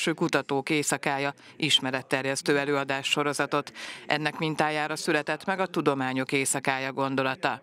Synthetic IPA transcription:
ʃøːkut̪ɒt̪oːkeːsɒkaːjɒʔiʃmɛɾɛt̪ːɛrjɛst̪øːɛløːɒd̪aːʃːo̞ɾo̞zɒt̪o̞t̪ʔɛ̰nːɛkmint̪aːjaːɾɒsylɛt̪ɛt̪mɛɡɒt̪ud̪o̞maːɲo̞keːsɒkaːjɒɡo̞nd̪o̞lɒt̪ɒ

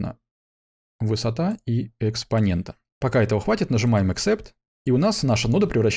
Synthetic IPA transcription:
nə̰ | vɨsɐt̪aiɪkspɐnʲe̞nt̪ə̥ | pɐkaɛt̪əvəxvatʲɪt̪nəʐɨmajɪmɨksɛpt̪ | iʊnasnaʂənud̪əpɾʲɪvrɐɕː

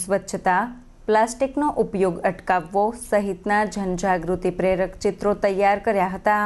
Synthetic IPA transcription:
sʋət̪ːʃʰət̪a | plasʈiknoʔupjoɡəʈkaʋːosəɦit̪nad͡ʒʱənd͡ʒaɡɾut̪ipɾeɾəkt͡ʃɪt̪ɾot̪əjːaɾkəɾjaɦət̪a

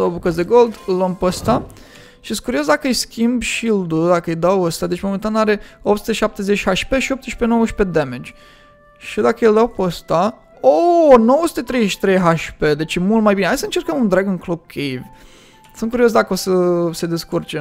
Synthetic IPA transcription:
d̪awbukəsd̪eɡold̪lompəst̪a | ʃiest̪kuɾio̞s̬d̪akəɨjskʲimbʃild̪ud̪akəɨjd̪awəst̪ad̪e̞t͡ʃʲmo̞ment̪anaɾeop̚t̪su̥t̪eʃiʃap̚t̪e̞zet͡ʃʲhaʃpeʃio̞p̚t̪eʃpeno̞wəʃped̪emed͡ʒʲ | ʃid̪akəeld̪awpəst̪a | onowəsu̥t̪et̪ɾejzeʃi̥t̪ɾejɦaʃped̪e̞t͡ʃjemult̪majbineajsəɨnt͡ʃeɾkəmund̪ɾaɡɨŋklokʲʰːev | sɨnkuɾios̬d̪akəo̞səse̞d̪e̞skurt͡ʃe

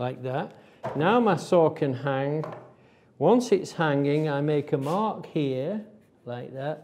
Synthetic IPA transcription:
laɪk̚ðæt | naʊmaɪsɔkʰɨ̃nɦæ̃ŋ | wʌ̃nsɪtshæ̃ŋɪ̃ŋaɪmeɪkəmɑɹkhiə | laɪk̚ðæt̚

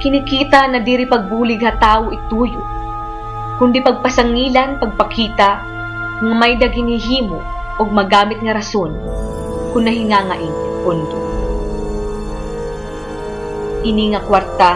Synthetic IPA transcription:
kɪnɪkiːt̪ɐnɐd̪iːɾipɐɡ̚buːlɪɡhɐt̪aːwoʔɪt̪ːuːjo̰ | kʊnd̪ipɐɡ̚pɐsɐŋiːlɐnpɐɡ̚pɐkʰiːt̪ɐ | ŋɐmɐjd̪ɐɡɪnhɪɦiːmo | ʔoɡ̚mɐɡaːmɪt̪̚ŋɐɾɐso̞n | kʊnːɐɦɪŋaːŋɐʔɪnpʊnd̪o | ʔɪniŋɐkwaɾt̪a

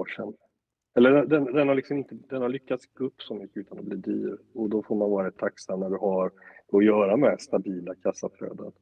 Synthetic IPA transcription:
ʂɛ̰n | ɛlːəɖɛd̪ɛnd̪ɛnhaɾɭlɪksɔmɪnt̪əd̪ɛnhaɾɭʏkːat̪sɡɵpːsɔmʏkːəʉːt̪anɔbliːd̪y̰ːɾɔd̪ɔfoɾmanvɑːɾaɪt̪ʰːaksamnæɖɵɦaɾɔjœːɾamɛst̪abiːlakʰasːaflø̰ːd̪ə̰n

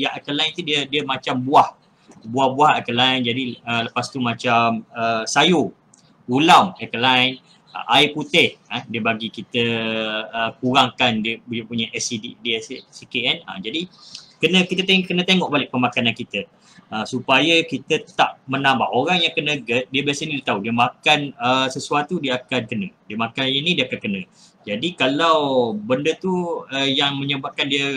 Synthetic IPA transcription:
jaʔakəlaint̪udiədiəmat͡ʃambuah | buahbuahakəlaind͡ʒadiələpast̪umãt͡ʃaməsajo | ulamakəlain | ə̰ʔaiput̪ɪhədiəbaɡikit̪əː | kuɾaŋkandiəpupuɲaʔɛsididiɛssikeɛna̰d͡ʒadikənə̃kit̪ət̪ekənə̃t̪eŋɔʔbalɪʔ̚pəmãkanankit̪ə | əsupajakit̪ət̪aʔmənãmbaʔoɾaŋjaŋkənəɡət̪̚diəbiasənidiət̪audiəmakanəsəsuat̪udiəakankənə̃diəmakaninidiəakankənə̃ | d͡ʒadikalawbəndət̪uəjaŋmə̃ɲəbap̚kandiə

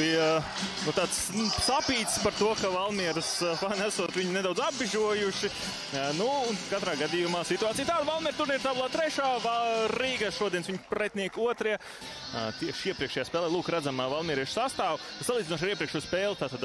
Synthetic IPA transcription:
i | nut̪aːt̪s | sapiːt̪spaɾt̪uɔkavalˠmiɛɾusfanæsuɔt̪ʋiɲuned̪aw̪zabbiʒuɔjuʃi | nuːnkat̪ɾaːɡad̪ijumaːsit̪uaːt̪sijt̪aːd̪valˠmiɛɾt̪uɾnʲiɾt̪aːbulˠaːt̪ɾɛʃaːaɾiːɡaʃuɔd̪iɛsʋiɲpɾɛt̪ʲniɛkuɔt̪ɾiɛ | t̪iɛʃiɛpɾiɛkʃɛjaːspɛːlˠɛːlˠuːkɾæd̪zamavalˠmʲiɛɾiɛʃsast̪aːwt̪asalˠiːdzʲinɔʃ̬aɾiɛpɾiɛkʃuːspɛːlˠt̪aːt̪ad̪

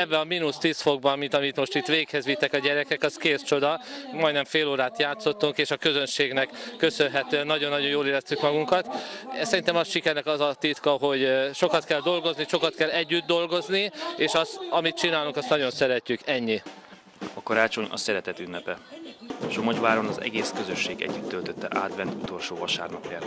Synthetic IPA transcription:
ɛbːɛɒminust̪iːsfo̞ɡ̚bɒmit̪ɒmit̪mo̞ʃt̪it̪ʋeːkhɛzʋit̪ːɛkɒɟɛɾɛkɛkɒskeːst͡ʃo̞d̪ɒmɒjd̪nɛɱfeːloːɾaːt̪jaːt̪so̞t̪ːuŋkeːʃɒkø̞zø̞nʃeːɡnɛkːø̞sønɦɛt̪øːɛnːɒɟo̞nːɒɟojoːleːɾɛst̪ykmɒɡuŋkɒt̪sɛɾint̪ɛmɒsʃikɛɾnɛkɒzɒt̪it̪kɒɦo̞ɟʃo̞kɒt̪kɛld̪o̞lɡo̞zniʃo̞kɒt̪kɛlːɛɟːyd̪̚d̪o̞lɡo̞znieːʃɒst̪ɒmit̪t͡ʃinaːluŋkɒst̪nɒɟo̞nsɛɾɛcːykɛɲːi | ɒkɒɾaːt͡ʃo̞ɲɒ̰sɛɾɛt̪ɛt̪ynːɛpɛ | ʃomoɟʋaːɾo̞nɒzɛ̰ɡeːskø̞zøʃːeːɡɛ̰ɟːyt̪ːølt̪øt̪ːɛ̰ʔaːt̪ʋɛnt̪ut̪o̞lʃoːvɒʃa̰ːrnɒpjaːt̪

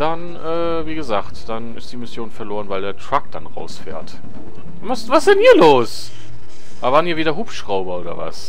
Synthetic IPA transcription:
d̥an | ʔɛː | viːɡəzaːχtd̥anɪ̰std̥iːmɪsjoːnfɛɐloːʁənvaɪldeːɐtʁ̥ak̚d̥anʁa̰ʊsfɛ̰ːɐt | masvassɛnhiːɐloːs | ʔavaːʁəniːɐviːdɐɦuːpʃʁ̥aʊbɐoːdɐ̰va̰s

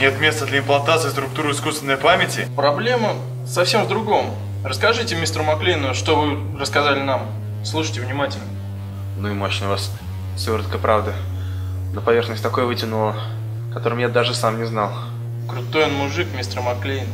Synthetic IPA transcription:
nʲet̪mʲe̞st̪əd̪lʲəɪmplˠɐnt̪at̪sɨjfst̪ɾʊk̚t̪uɾʊɪskust̪vʲɪnːəjpamʲɪtʲɪpɾɐblʲe̞mə | sɐfsʲe̞mvd̪ɾʊɡo̞m | rəskɐʐɨtʲɪmʲist̪ɾʊmɐklʲinʊʂt̪ovɨ | rəskɐzalʲɪnam | slˠuʂɨjtʲɪvnʲɪmatʲɪlʲnə | nuɪmo̞ɕnəjʊvas | fsʲoɾət̪̚kəjpɾʔavd̪ə | nəpɐvʲerxnəsʲt̪ɐko̞jəvɨtʲɪnulˠə | kɐt̪o̞ɾəmjad̪aʐɨsamnʲɪznalˠ | kɾʊt̪o̞jonmʊʐɨkmʲist̪ɾəmɐklʲin

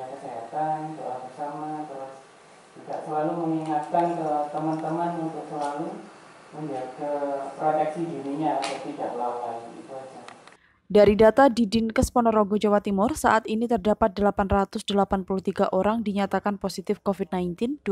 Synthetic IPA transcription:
akəseɦat̪ansalahbərsamat̪əɾʊs | t̪idaʔsəlaluməŋiŋat̪̚kankət̪əmant̪əmanunt̪ʊʔsəlalu | uakəpɾot̪ɛk̚sidiniɲaːt̪at̪idaʔlawlaḭt̪uad͡ʒa | daɾidat̪adidinkəspɔnɔɾoɡod͡ʒawat̪imʊrsa̰ʔat̪init̪ərdapat̪̚dəlapanrat̪ʊsdəlapanpuluht̪iɡaʔoɾaŋdiɲat̪akanposit̪ɪfkofid̚najnt̪ɪnd

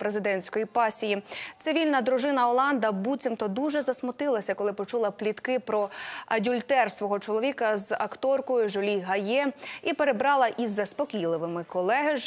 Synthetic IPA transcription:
pɾezɪd̪ɛnʲsʲkɔjipɑsʲijit̪sɪʋʲilʲnɐd̪ɾʊʒɪnɐɔlˠɑnd̪ɐbut͡sʲimt̪ɔd̪uʒɛzɐsmʊt̪ɪlˠɐsʲɐkɔlˠɪpɔt͡ʃulˠɐplʲit̪kɪpɾɔɐdʲulʲt̪ɛrsʋɔɦɔt͡ʃɔlˠɔʋʲikɐzɐ̰kt̪ɔrkɔjʊʒɔlʲiɦɐjɛipeɾe̞bɾɑlˠɐʔizːɐspɔkʲijlˠɪʋɪmɪkɔlˠɛɦɪ

